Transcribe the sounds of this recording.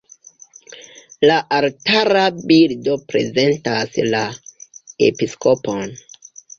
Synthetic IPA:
laʔaltaɾabildo̞pɾe̞̰ze̞ntasla | ḛpiskopon

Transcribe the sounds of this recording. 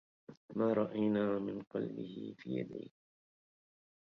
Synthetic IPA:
maːɾˤɑʔajnaːmɪnqɑlbɪ̰hɪ̰fiːja̰d̪a̰jk

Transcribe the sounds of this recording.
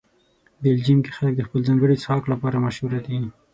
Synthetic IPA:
beld͡ʒimke̥xalək̚d̪əxpəlzɑŋɡəɽit͡shɑklapɑɾamaʃhuɾad̪i

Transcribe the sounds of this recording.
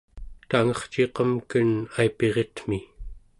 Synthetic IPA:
t̪aŋʌχt͡ʃe̞qʌmkənaipe̞ʁet̪mi

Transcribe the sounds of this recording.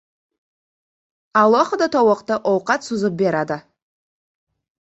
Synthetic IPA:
ɑlˠoχəd̪ɑt̪ʰowəqt̪əʔowqɑt̪sʊzəp̚beɾɑd̪ə

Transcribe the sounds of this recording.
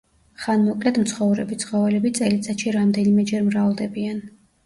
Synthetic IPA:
χanmɔkʼlɛt̪mt̪sʰχɔvɾɛbit̪sʰχɔvɛlɛbit̪sʼɛlit̪sʼaʃiɾamd̪ɛnimɛd͡ʒɛɾmɾalˠd̪ɛbian

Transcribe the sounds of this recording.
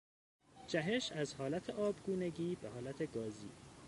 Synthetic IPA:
d͡ʒæɦe̞ʃæzhɒːlæt̪ʰeʔɒːbɡuːneɟiːbehɒːlæt̪ʰeɡɒːzḭː

